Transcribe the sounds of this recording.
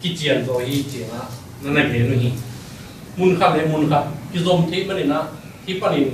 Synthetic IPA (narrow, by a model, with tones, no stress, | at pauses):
ki˧˦t͡ɕi˧˨ə˨nzɔ˨˧˨hi˧t͡ɕi˨na˧˦ | na˧na˧˨pʰeː˨˦nu˧hĩ˧ | mu˧˨nkʰa˧˨lɛ˧˦mu˧nkʰa˧˨ki˧˨zo˧˨mt̪ʰe˦ma˧ni˨na˧˨ | tʰi˧˦pa˧ni˨